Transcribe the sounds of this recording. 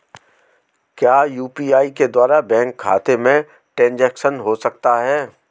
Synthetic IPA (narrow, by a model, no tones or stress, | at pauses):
kjaːjuːpiːaːiked̪waːɾabɛ̃ːŋkʰːa̰ːt̪emẽ | ʈɛ̃nd͡ʒɛːkʃənɦosɐk̚t̪aɦɛː